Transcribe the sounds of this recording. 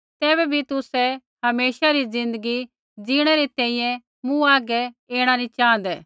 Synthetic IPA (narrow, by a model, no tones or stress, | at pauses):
t̪ɛːbɛbʱit̪ʊsɛ | ɦɐmeːʃaɾid͡zɪ̃nd̪əɡi | d͡ziːɽ̃ɛɾet̪ɛ̃ːĩjɛ̃ | mũaːɡɛeːɽ̃anĩt͡ʃaːə̃nd̪ɛː